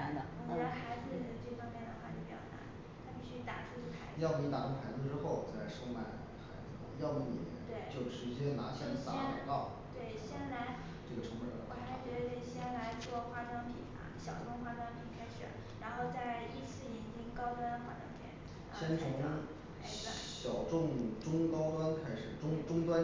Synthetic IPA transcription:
a˧˥nd̪ə˧ɔ˧˩˧a˧˥˩xa˧˥ɪd͡zɹ̩˧i˨˩ə˧˥twe˥˩fɑ˥ŋmjɛ˥˩nd̪ə˩xwa˥˧˩t͡ɕjo˥˩pi˧˥jɑ̰˥˩na̰˧˥˦n | t̪ʰa˥pi˥˩ɕy˥t̪a̰˨˩ʈ͡ʂʰu˥ʈ͡ʂʰu˥˩pʰa˧˥ɪjɑ˥˩ʊki˧˥t̪a˨˩ʈ͡ʂʊ˥ŋxʰa˧˥ɪd͡z̩˧ʈ͡ʂɻ̩˥xo˥˩ʊt͡sla˧˥ɪʂo˥ma˥˩ɪ | xa˧˥ɪd͡zɹ̩̰˧jɑ˥˧ʊmi˧˥˩li˨˩mjɛ̰˧˥˦nt̪we˥˩ɪt͡ɕjo˥˩ʊʈ͡ʂɻ̩˧˥t͡ɕjɛ˥na˧˥ɕja˥˩ə˥sa̰˥ɛ˥na˨˩k̪ɑ˥˩ʊ | t̪we˥˩ɪɕjɛ˥nla˧˥ɪ | ʈ͡ʂɤ˥˩ɡə˩ʈ͡ʂʰɤ˧˥pə˨˩d̪ə˦˩t̪a˨˧˥ɕjɛ˥nla˧˥ɪt͡swɔ˥˧˩xwa˥˧t̪wa˥npʰḭ˨˩ɐ̰˧˩ɕjɑ˨˩ʊʈ͡ʂʊ˥˧ŋxwa˥t̪wa˥npʰi˨˩kʰa˥ɪʂ̩˨˩ | ɻa˧˥nxo˥˧ʊt͡sa˥˧ɪi˥˧t͡sʰɹ̩˥˩jɛ˧˥˩nt͡ɕi˥ŋkɑ˥ʊt̪wa˥nxwa˧˥˩t̪ɑ̰˥˩ŋt̪ʰjɛ̰˧˥n | ɕjɛ˥nt͡sʰʊ˧˥ŋ | a˧˥ɪa˧˩ɕjɑ˨˩ʊʈ͡ʂʊ˥˩ŋʈ͡ʂʊ˥ŋkɑ˥ʊt̪wa˥nkʰa˥ɪʂɻ̩˨˩ʈ͡ʂʊ˥ŋʈ͡ʂʊ˥ŋt̪wa˥n

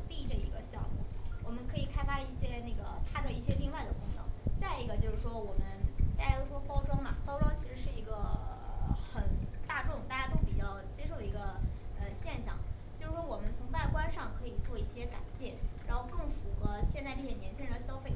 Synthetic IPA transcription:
t̪i˥˧˥ʈ͡ʂə˥˩ḭ˧˥ɡə˧ɕjɑ˥˧mṵ˩wɔ˨˩mə˦kʰɤ˧˥i˨˩kʰa˥ɪfa˥i˥˩ɕjɛ˥na˥˩ɡə˩t̪ʰa˥d̪ə˨i˥˩ɕjɛ˥li˥˧ŋwa˥˩ɪd̪ə˩kʰʊ˧˥ŋnɤ̰˧˥˦ŋt͡sa˥˩ɪi˧˥ɡə˧t͡ɕjo˥˧ʊʂɻ̩˥˩ʂwɔ˥wɔ˨˩mə˦nt̪a˥˩t͡ɕja˥o˥ʊʂwɔ˥kɑ˥ʊʈ͡ʂɑ˥ʊmɐ̰˨kɑ˥ʊʈ͡ʂɑ˥ʊt͡ɕʰi˧˥ʂɻ̩˧˥ʂɻ̩˥˩i˧˥ɡə˧ | xə˨˩nt̪a˥˧ʈ͡ʂʊ˥˧ŋt̪a˥˧˩ja˥t̪o˥ʊpi˨˩t͡ɕjɑ˥˩ʊt͡ɕjɛ˥ʂo˥˩ə˩i˧˥ɡə˧ə˧ɕjɛ˥˧nɕjɑ̰˥˩ŋt͡ɕjo˥˧ʊʂɻ̩˥˩ʂwɔ˥wɔ˨˩mə˦nt͡sʰʊ˧˥ŋpa˥˩ɪkwa˥nʂɑ˥˩ŋkʰɤ˧˥i˨˩t͡swɔ˥˧i˥˩ɕjɛ˥ka̰˨˩˦nt͡ɕjɛ˥˩ɻa˧˥nxo˥˧ʊkɤ˥˩ŋfu˧˥xɤ˧˥ɕjɛ˥˧nt͡sa˥˧ɪʈ͡ʂɤ˥˩jɛ˨˩njɛ˧˥nt͡ɕʰi˥ɻnd̪ə˩ɕjɑ˥ʊfe˥˩

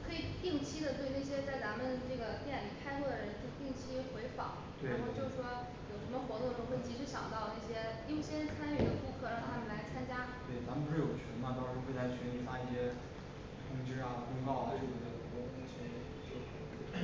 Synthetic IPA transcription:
kʰɤ˧˥i˨˩t̪i˥˩ŋt͡ɕʰi˥d̪ə˨t̪we˥˧ɪna˥˩ɕ̬jɛ˥t͡sa˥˩ɪt͡sa˧˥nmə˨nʈ͡ʂɤ˥˩ɡə˩t̪jɛ˥˩nli˨˩kʰa˥ɪxwɔ˥˩d̪ə˩ɻə˧˥nt͡ɕo˥˧t̪i˥˩ŋt͡ɕʰi˥xwe˧˥ɪfɑ̰˨˩˦ɻt̪we˥˩˥no˥˧ʊt͡ɕjo˥˧ʊʂ̩˥˩ʂwɔ˥ | jo˨˩ʊʂə˧˥nmə˧xwɔ˧˥t̪ʊ˥˧ʈ͡ʂo˥˧˥xwe˥˩t͡ɕi˧˥ʂɻ̩˧˥ɕjɑ̰˨˩ŋt̪ɑ˥˧ʊnə˥˩ɕjɛ˥i˥˧˩ɕjɛ˥nʂɻ̩˥˩t͡sʰa˥ny˥˩d̪ə˧˦ku˥˧kʰɤ˥˩ɻa˧˥˩ni˨˩la˧˥ɪt͡sʰa˥nt͡ɕja˥t̪we˥˩ɪt͡sa˧˥mə˨p̬u˥ʂɻ̩˥˩jo˨˩t͡ɕʰɥɛ˧˥na˥˩t̪ɑ˥ŋʂɻ̩˧˥we˥˩ɪlʰa˥ɪt͡ɕʰɥɛ˧˥ni˥˩fa˥i˥˩ɕjɛ˥ | t̪ʰʊ˧˥ŋʈ͡ʂɻ̩˥a˨˩kʊ˥ŋkɑ˥˧ʊa˨˩ʈ͡ʂo˥˩˨na˥˩ə˨˩ɔ˥˩˥i˥˩t͡ɕʰɛ˧˥n˥˩ | t͡ɕo˥˩ʊ˥

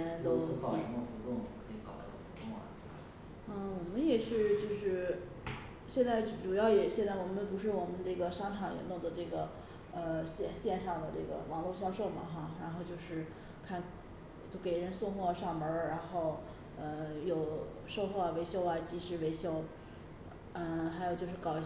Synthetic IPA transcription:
nt̪o˥ʊɑ˥ə˧˥ə˧fu˧˥lʊ˥˩ŋkʰɤ˧˥i˧˩kɑ̰˨˩ʊ̰˧˥˩ɡə˧˩fu˧˥kŋa̰˨˩˥ | n̩˥˩wɔ˨˩mə˦njɛ˨˩ʂɻ̩˥˧t͡ɕjo˥˧ʊʂɻ̩˥˩ | ɕjɛ˥˧nt͡sa˥˩ɪ˥˩ʈ͡ʂu˨˩jɑ˥˩ʊjɛ˨˩ɕjɛ˥˧nt͡sa˥˩ɪwɔ˨˩mə˦npu˧˥ʂɻ̩˥˩wɔ˨˩mə˦nʈ͡ʂɤ˥˩ɡə˩ʂɑ˥ŋʈ͡ʂʰɑ˨˩ŋjɛ̰˧˨˥nʊ˥˩ŋd̪ə˩ʈ͡ʂɤ˥˩ɡə˩ | ə˧ɕjɛ˥˧˩nɕjɛ˥˧nʂɑ˥˩ŋd̪ə˩ʈ͡ʂɤ̰˥˩ɡə̰˩wɑ˧˥ŋlwɔ˥˧ɕjɑ˥ʊʂo˥˩ʊmɐ̰˩xa˥˧ɻa˧˥nxo˥˧ʊt͡ɕjo˥˧ʊʂɻ̩˥˩ | kʰa˥˩n | t͡ɕjo˥˩ʊke˨˩ɪɻə˧˥nsʊ˥˧ŋxwɔ˥˩ʂɑ˥˩ŋmə˞˧˥ɻa˧˥nxo˥˩ʊ | ə˥˧jo˨˩ʊ | ʂo˥˧ʊxwɔ˥˩we˧˥ɪɕjo˥ʊɐ˩t͡ɕi˧˥ʂɻ̩˧˥we˧˥ɪɕjo˥˩ʊ | ə˧˩xa˧˥jʊt͡ɕjo˥˧ʊʂɻ̩˥˩kɑ˨˩ʊ

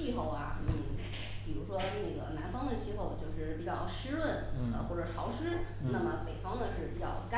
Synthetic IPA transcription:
i˥˧xo˥˩ʊɐ̰˩ni˥˧˩ | pi˨˩ɻu˧˥ʂwɔ˥ne˥˩ɡə̰˩na̰˧˥nfɑ˥ŋd̪ə˨t͡ɕʰi˥˧xo˥˧ʊt͡ɕjo˥˧ʊʂɻ̩˥˩pi˨˩t͡ɕjɑ˥˩ʊʂɻ̩˥lwə˥˩nə̰˧xwɔ˥˩ʈ͡ʂɤ˨˩ʈ͡ʂʰɑ˧˥ʊʂɻ̩˥ | na˥˩mə˩pe˨˩ɪfɑ˥ŋd̪ə˨ʂɻ̩˥˩pi˨˩t͡ɕjɑ̰˥˩ʊka˥

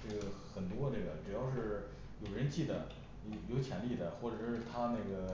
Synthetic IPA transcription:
ʈ͡ʂɤ˥˩ɡə˩xə˨˩nt̪wɔ˥ʈ͡ʂɤ˥˩ɡə˩ʈ͡ʂɻ̩˨˩jɑ˥˧ʊʂɻ̩˥˩ | jo˨˩ʊɡɻə˧˥nt͡ɕi˥˩d̪ə˩˧˩ | jo˧˥ʊt͡ɕʰjɛ˧˥nli˥˩d̪ə˩xwɔ˥˩ʈ͡ʂɤ˨˩ʂɻ̩˥˩˧t̪ʰa˥na˥˩ɪɡə˩

